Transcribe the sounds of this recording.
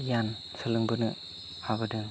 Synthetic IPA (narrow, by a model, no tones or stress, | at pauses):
jan | sɯlɯŋbɯnɯ | habɯdɯ